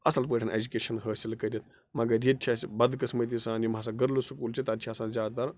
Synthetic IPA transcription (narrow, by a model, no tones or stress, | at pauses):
ɐsɐlpəːʈʰɐnʔḛd͡ʒukeːʃɐnɦəːsilkɐɾjɐt̪ʰ | mɐɡɐɾjit͡ʃʲʰasʲbɐd̪kɐsmɐt̪̬ʲisãːnjimaːs̬aːɡɐɾlusukuːlt͡ʃʰit̪ɐt̪t͡ʃʲʰiaːsãːnzʲjaːd̪t̪ɐɾ